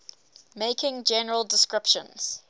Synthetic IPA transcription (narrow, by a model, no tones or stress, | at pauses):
meɪkɪ̃ŋd͡ʒɛnəɹəlˠdɪskɹɪpʃə̰̃nz̥